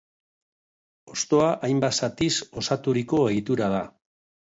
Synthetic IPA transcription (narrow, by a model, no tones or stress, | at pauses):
o̞st̪o̞aʔajmbasat̪iso̞sat̪uɾiko̞e̞ɣit̪uɾað̞a